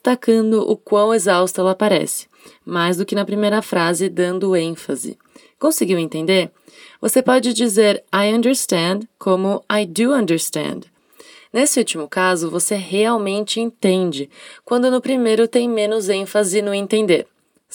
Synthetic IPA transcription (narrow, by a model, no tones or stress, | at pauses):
st̪akɐ̃d̪ʊʔʊkwɐ̃w̃ezawst̪ʊɛlɐpaɾɛ̰sɪ̥ | majzd̪ʊkɪnɐpɾimejɾɐfɾazɪd̪ɐ̃nd̪ʊẽfɐ̰zɪ̰ | kõsɪɡiwẽnt̪ẽnd̪eɾ | vosepɔd͡ʒɪd͡ʒizeɾajɐ̃nd̪eɾst̪ɐ̃d̪kʰõmʊajd̪uɐ̃nd̪eɾst̪ɐ̰̃nd̪ | nesɪut͡ʃimʊkazʊvoseheawmẽnt͡ʃɪẽnt̪ẽnd͡ʒɪkwɐ̃nd̪ʊnʊpɾimejɾʊt̪ẽj̃mẽnʊzẽfazɪnʊẽt̪ẽnd̪eɾ